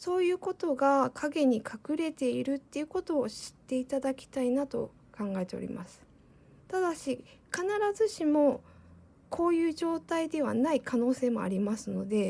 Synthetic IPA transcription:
so̞ːjɯ̟ːko̞t̪o̞ɡakʰaɡe̞ɲ̟ikʰakɯ̟ɾe̞t̪e̞iɾɯ̟t̪ːe̞iɯ̟ko̞t̪o̞ːɕi̥t̪ːe̞it̪ad̪akʲi̥t̪ainat̪o̞̰ | kãŋɡae̞t̪e̞o̞̰ɾʲḭmʔa̰sɨ̥ | t̪ad̪aɕikanaɾazɨɕimo̞ | kʰo̞ːjɯ̟ːʑo̞ːt̪aid̪e̞β̞a̰naikʰano̞ːse̞ːmo̞̰a̰ɾʲimasɨno̞d̪e̞

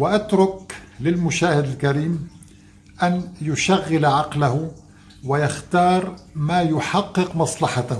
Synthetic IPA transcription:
wɪʔat̪ɾʊklɪlmʊʃaːhɪd̪ɪlkaɾiːm | ʔænjʊʃaɣːɪlaʕɑqlahʊ | wɪjɑxt̪ɑːɾˤmaːjʊħɑqːɨqmɑsˤlɑħɑt̪ah

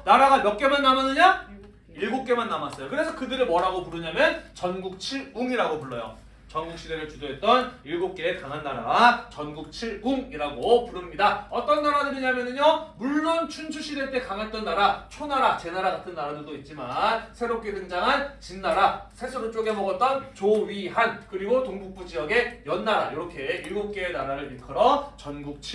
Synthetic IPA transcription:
naɾaɡamjʌk̚k͈e̞manːamanːɯɲa | iɭɡuk̚k͈e̞manːamas͈ʌjokɯɾe̞sʰʌkɯdɯɾɯɭmwʌɾɦaɡopuɾɯɲamjʌnt͡ɕʌnɡuk̚t͡ɕʰiɭuŋiɾaɡopuɭːʌjo̰ | t͡ɕʌnɡukɕ͈ʰideɾɯɭt͡ɕudoɦe̞t̚t͈ʌniɭɡuk̚k͈e̞ːkaŋɦanːaɾa̰t͡ɕʌnɡuk̚t͡ɕʰiɭuŋiɾaɡopuɾɯmɲidaʌt͈ʌnːaɾadɯɾiɲamjʌnɯɲjʌmuɭːont͡ɕʰunt͡ɕʰuɕ͈ʰide̞t͈e̞kaŋɦat̚t͈ʌnːaɾat͡ɕʰonaɾat͡ɕe̞naɾaɡatʰɯnːaɾadɯɭdoit̚t͡ɕ͈imansʰe̞ɾop̚k͈edɯnd͡ʑaŋɦant͡ɕinːaɾasʰe̞sʰʌɾɯt͡ɕ͈oɡe̞mʌɡʌt̚t͈ʌnt͡ɕoɥiɦankɯɾiɡotoŋbuk̚p͈ud͡ʑijʌɡe̞jʌnːaɾa̰joɾʌkʰe̞iɭɡop̚k͈eenaɾaɾɯɭikʰɯɾʌt͡ɕʌnɡuk̚t͡ɕʰi

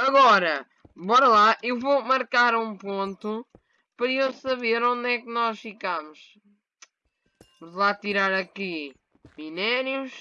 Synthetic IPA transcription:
ɐɣɔɾɐ | bɔɾɐlˠaʔewvowmɐɾkaɾũpõnt̪u | pɐɾɐewsɐβeɾõnd̪ɛkɨnɔʃfikamʊʃ | mʒlˠat̪iɾaɾɐki | minɛɾjuʃ

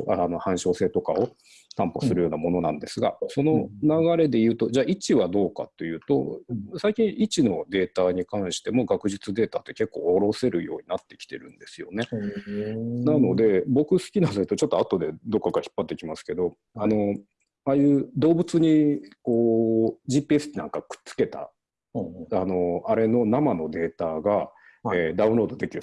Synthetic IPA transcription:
no̞hãɰ̃ɕo̞ːse̞ːt̪o̞kao̞ | t̪ãmpo̞sɨɾɯjo̞ːnamo̞no̞nã̰nd̪e̞sɨɡa̰so̞no̞naɡaɾe̞d̪e̞jɯ̟ːt̪o̞d͡ʑaːʔit͡ɕiβad̪o̞ːka̰t̪ːe̞jɯ̟ːt̪o̞̰saikʲĩɰ̃it͡ɕino̞d̪e̞ːt̪aɲ̟ikãɰ̃ɕi̥t̪e̞mo̞ɡakɯ̟ʑit͡sɨd̪e̞ːt̪at̪ːe̞ke̞kːo̞̰ːɾo̞se̞ɾɯ̟jo̞̰ːɲ̟inat̪ːe̞̥kʲi̥t̪e̞̰ɾɯ̟̰̃nd̪e̞sɨjo̞ne̞ | nano̞d̪e̞bo̞kɯ̟sɨ̥kʲinad̪ot̪ot͡ɕo̞t̪ːoat̪o̞d̪e̞d̪o̞kːakaçi̥pːat̪ːekʲimasɨ̥ke̞d̪o̞ | ano̞ | aːjɯ̟ːd̪o̞ːbɯ̟t͡sɨɲ̟iko̞ːd͡ʑipesɨ̥kʲinãŋkakɯ̟̥t͡sɨ̥ke̞t̪a̰ | ano̞aɾe̞no̞namano̞d̪e̞ːt̪aɡa | eːd̪aɯ̟̃ɾo̞ːd̪o̞d̪e̞kʲiɾɯ

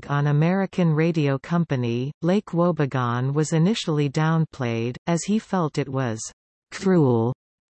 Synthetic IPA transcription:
ɡ̃n̩ɨmɛɹɨkʰɨ̃nɹeɪɾioʊkʰʌ̃mpɨnileɪkʰwoʊbɨɡɑ̃nwʌzɨnɪʃl̩ˠidãʊ̃npʰl̥eɪɾɨz̥ifɛlˠtɨt̚wʌz̥ | kʰɹulˠ

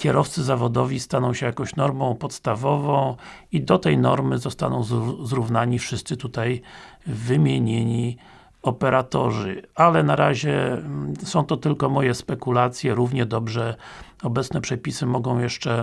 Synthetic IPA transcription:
kʲɛɾɔft̪sɘzavɔd̪ɔvʲist̪anɔ̃w̃ɕɛjakɔ̃w̃ɕnɔɾmɔ̃w̃pɔt̪st̪avɔvɔ̃w̃ | id̪ɔt̪ɛjnɔ̰ɾmɘzɔst̪a̰nɔ̃w̃zzɾuvnaɲifʂɘst̪sɘt̪ut̪ajvɘmʲjeɲeɲi | ɔpɛɾat̪ɔ̰ʐɘ̰alɛnaɾaʑɛ | sɔ̃w̃t̪ɔt̪ɘlkɔmɔjɛspɛkulat̪sʲjɛɾuvɲɛd̪ɔbʐɛɔbɛt̪snɛpʂɛpʲisɘmɔɡɔ̃w̃jɛʂt͡ʂɛ

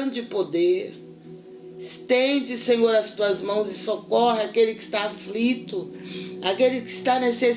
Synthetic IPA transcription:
d͡ʒɪpod̪eɾ | ɪst̪ẽd͡ʒɪsẽɲoɾɐst̪uɐzmɐ̃w̃zɪsokɔhɪakelɪkɪ̥st̪aːflit̪ʊakelɪkɪst̪anese

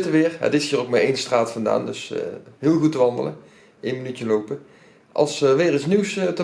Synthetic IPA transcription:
təʋɪːɹɦə̰tɪshiːrowk̚maejnstraːtfɑnda̰ːndɵsɦɪːlˠɣutəʋɑndələ̰n | ʔejnmənytjəlowpə | ʔɑ̰lˠsʋɪːɾɪsniwstə

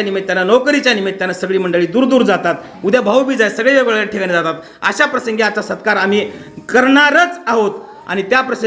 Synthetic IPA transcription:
animit̪ːjanːanɔkɾit͡ɕjanimit̪̚ːjanːasəɡɭiːməɳɖəɭiːd̪uːɾd̪uːɾd͡zat̪at̪ | ud̪jabʱəwbid͡zajsəɡɭeʋeɡɭaaʈʰikaned͡zat̪at̪ | ə̰ɕapɾəsəŋɡiat͡sasət̪kaɾam̤i | kəɾɳaɾət͡saɦot̪ | a̰ɽ̃it̪japɾəsə

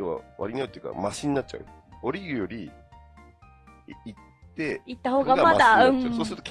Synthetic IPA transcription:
eβa̰βa̰ɾʲinaɯt̪eɯ̟ka̰maɕiɲ̟inat͡ɕ̚ːt͡ɕa̰ɯ̟ | oɾʲiɡɯ̟jo̞ɾʲi | it̪ːe̞it̪ːaho̞ːɡamad̪aɯ̃ɴsoːsɨɾɯt̪o̥k

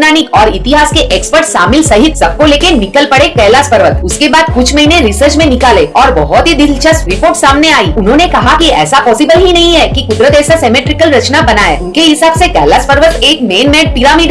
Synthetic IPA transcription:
naːnɪkɔːɾɪt̪ɪɦaːskeʔeːkspəɾʈsaːmɪlsɐɦɪt̪sɐb̚koleːkenɪkəlpɐɽekɛːlaspəɾʋət̪ʊskebaːd̪̚kʊt͡ʃʰmɐɦinẽɾɪsəɾt͡ʃmẽnɪkaːleɔːɾbɔɦɔt̪ɦid̪ɪlt͡ʃəsɾɪpoːɾʈsaːmneaːiːʊnɦõːnekɐɦakiɛ̰ːsapɔːsɪbəlɦinɐɦĩɦɛkikʊd̪ɾət̪ɛːsasɛːmeːʈɾɪkəlɾɐt͡ʃnabɐnaːeːʊnkeɦɪsaːbsekɛ̰ːlaspəɾʋət̪eːkmeːnmɛ̃ːɖ̚pɪɾaːmiːɖ

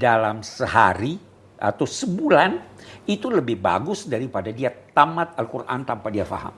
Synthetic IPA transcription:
dalamsəɦa̰ɾi | ʔa̰t̪awsəbulanit̪uləbɪhba̰ɡʊsdaɾipadadiat̪amat̪̚alkurʔa̰nt̪ampadiafa̰ɦa̰m

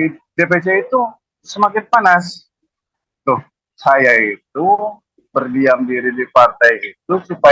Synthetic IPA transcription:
idep̬et͡ʃeit̪u | səmakɪn̚panas | t̪ʊh | sajait̪̚u | bərdiamdiɾidipart̪ajit̪usupa

